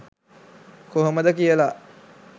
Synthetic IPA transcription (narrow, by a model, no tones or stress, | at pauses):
koɦoməd̪əkijəla